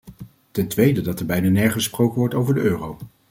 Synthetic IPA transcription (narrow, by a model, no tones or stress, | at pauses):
tɛntʋejdədɑtɛɹbɛjnanɛɹχəsprowkənʋɔɹtowvəɹdəøːrow